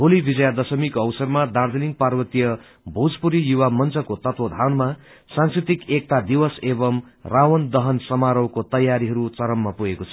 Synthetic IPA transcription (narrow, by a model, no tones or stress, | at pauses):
ɦolibʱid͡zʌjad̪ʌsʌmikoʌwsʌrmad̪ard͡zʌliŋ̚parwʌt̪ijʌ | bʱud͡zpuɾijuwamʌnt͡sʌkot̪ʌt̪wʌd̪ʱanma | sãnskrit̪ikek̚t̪ad̪iwʌsebʌm | rawʌnd̪ʌɦʌnsʌmaɾʌwkot̪ʌjaɾiɦʌɾut͡sʌɾʌmːapuɦekot͡sʰʌ